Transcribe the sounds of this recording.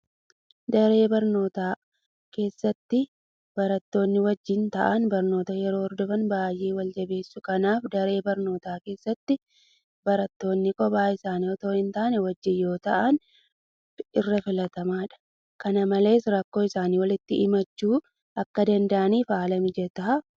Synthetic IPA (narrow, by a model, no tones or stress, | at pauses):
d̪ɐɾe̞ːbɐɾno̞ːt̪aː | ke̞ːsːɐt̪ːɪ | b̥ɐɾɐt̪ːo̞ːnːɪwɐd͡ʒːɪnt̪ɐʔɐnbɐɾno̞ːt̪ɐjɛɾo̞ːɾd̪ɔfɐnbaːjʔe̞ːwɐld͡ʒɐbe̞ːsːʊkɐnaːfd̪ɐɾe̞ːbɐɾno̞ːt̪aːke̞ːsːɐt̪ːɪ | bɐɾɐt̪ːo̞ːnːɪkɔbaːɪsaːniːɔt̪o̞ːhɪnt̪aːnɛwɐd͡ʒːɪnjo̞ːt̪ɐʔɐn | ɪrːɐfɪlɐt̪ɐmaːᶑɐ̥ | kɐnɐmɐle̞ːsɾɐkːo̞ːɪsaːniːwɐlɪt̪ːɪɪmɐt͡ʃːuː | ʔɐkːɐd̪ɐnd̪ɐʔɐniːfaːlɐmɪd͡ʒɛt̪ɐɐ